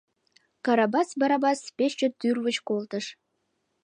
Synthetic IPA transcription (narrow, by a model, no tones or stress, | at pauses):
kɑɾɑbɑsbɑɾɑbɑspeʃt͡ʃøt̪ːyrβət͡ɕkolˠt̪əʃ